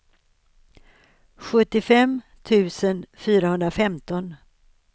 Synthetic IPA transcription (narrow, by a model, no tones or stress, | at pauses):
ɧɵt̪ːɪfɛm | t̪ʰʉ̟ːsənfyːɾahɵnd̪ɾafɛmt̪ɔn